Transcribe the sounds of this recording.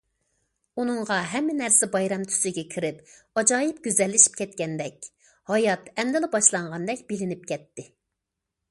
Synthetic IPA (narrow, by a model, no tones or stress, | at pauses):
unɨŋʁɑɦɛmːɪnæɾsɪbɑjɾɑmt̪ʰy̥sɪɡʲɛkʲʰiɾɪp | ɑd͡ʒɑːjipɡ̥ʲyzɛlːɪʃi̥p̚kʲʰɛt̪kʲɛnd̪ɛkʲ | hɑjɑt̪ɛmd̪ɪlɪbɑʃlˠɑɴʁɑnd̪ɛk̚ʲbɪlɪnɪp̚kʲʰɛt̪ːɪ